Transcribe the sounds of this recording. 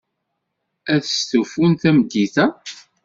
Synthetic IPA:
æθəst̪ufunθæmd̪ːiθæ

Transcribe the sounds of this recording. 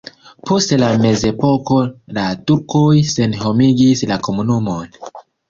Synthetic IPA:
po̞stlame̞ze̞po̞ko̞latuɾkojse̞nho̞miɡislako̞munumo̞n

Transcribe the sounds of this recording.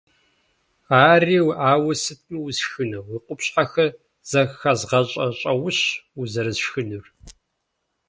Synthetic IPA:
aːriːwaːwɐsɨtʰmɨwzxɨnɐwiːqʷʊpɕħaxɐ | z̥ɐxɐzʁɐɕʼɐɕʼɐwʊɕuzɐɾɨzʃxɨnur

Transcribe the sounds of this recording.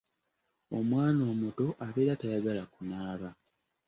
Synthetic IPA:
o̞mwaːno̞ːmuto̞ʔaβeɾatajaɡalakunaːβa

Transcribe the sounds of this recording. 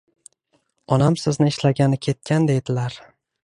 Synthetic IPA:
ɒnamsɪznɪɪʃlaɡʲanɪkʲʰe̞t̪̚kʲʰand̪e̞jd̪ɪlaɾ

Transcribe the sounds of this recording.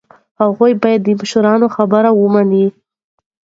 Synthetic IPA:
haɣujbɑjad̪ːəmaʃaɾɑnoxabəɾawəmani

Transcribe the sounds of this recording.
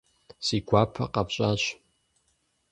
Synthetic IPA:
sikʷʰapʰa̰qʼapɕʼat͡ɕʷ

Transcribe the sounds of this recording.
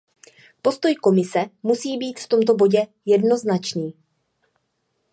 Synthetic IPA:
po̞st̪o̞jko̞mɪsɛmusiːbiːt̪ft̪o̞mt̪o̞bo̞ɟɛ | jɛdno̞znat͡ʃniː

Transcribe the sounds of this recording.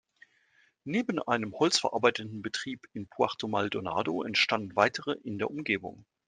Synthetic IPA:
neːbn̩ʔa̰ɪnəmhɔlt͡sfɛɐʔaɐbaɪtətn̩bətʁ̥iːpɪnpʰuaʁtomaldona̰ːdoɛ̰ntʃtandn̩vaɪtəʁəʔɪndeːɐʊmɡeːbʊ̰ŋ

